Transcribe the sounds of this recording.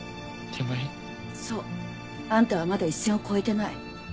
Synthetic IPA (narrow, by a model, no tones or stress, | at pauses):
t̪ʰema | so | ãnt̪aβamad̪aiɕẽkʰoet̪enai